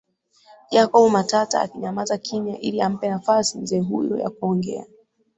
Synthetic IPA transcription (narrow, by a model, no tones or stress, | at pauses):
d͡ʒakɔɓumatata̰ːkiɲamazakʰiɲaʔiliam̩pɛnafasim̩zɛːɦujɔ̰ja̰kuɔŋɡɛ̰a